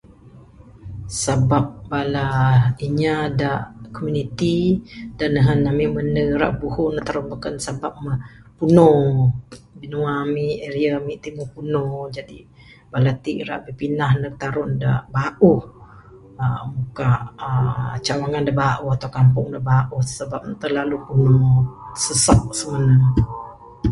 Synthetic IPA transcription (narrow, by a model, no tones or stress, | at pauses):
sabap̚balaiɲadaʔkomjunit̪idaʔnəɦənːamiməndəɾa̰ʔbuhuʔndaʔt̪aɾʊnbəkansabap̚məpuno | binuwamieɾiamiʔt̪imupunod͡ʒadi | balat̪iʔɾa̰ʔbəpinahnat̪aɾʊndaʔbaʔuh | əmukaʔət͡ʃawaŋandaʔbaʔuhat̪aukampʊŋdabaʔuhsəbap̚t̪əlalupunosəsɔʔ̚səməna